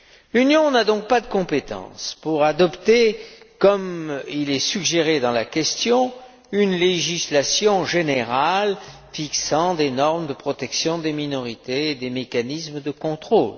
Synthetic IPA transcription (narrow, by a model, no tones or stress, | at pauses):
lynjɔ̃nad̪ɔ̃k̚pad̪əkɔ̃pet̪ɑ̰̃spuʁad̪ɔpt̪e | kɔmilɛsyɡʒeʁed̪ɑ̃lakʲɛst̪jɔ̃ | ynleʒislasjɔ̃ʒeneʁal | fiksɑ̃d̪enɔʁmd̪əpχɔt̪ɛksjɔ̃d̪eminɔʁit̪eːd̪emekanismd̪əkɔ̃t̪χol